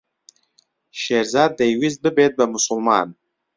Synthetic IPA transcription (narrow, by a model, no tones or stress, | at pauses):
ʃeɾzɑːd̪̚ːajwiz̚bɨbet̪̚bamʊsʊlmɑ̰ːn